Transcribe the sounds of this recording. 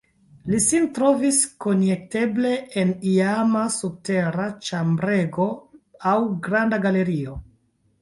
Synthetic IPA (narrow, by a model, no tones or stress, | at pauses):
lisintɾo̞visko̞njek̚te̞ble̞ʔeniamasub̚te̞ɾat͡ʃambɾe̞ɡo̞awɡɾandaɡale̞ɾio̞